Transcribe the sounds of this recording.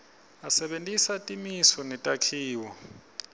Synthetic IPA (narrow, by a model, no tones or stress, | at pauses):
asɛɓentʼisatʼimisɔnɛtʼakʰiːwɔ